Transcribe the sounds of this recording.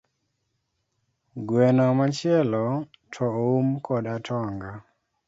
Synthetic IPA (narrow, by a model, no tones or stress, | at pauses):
ɡwɛnɔmat͡ʃɪɛlɔ | tʰɔumkʰɔdatʰɔŋɡa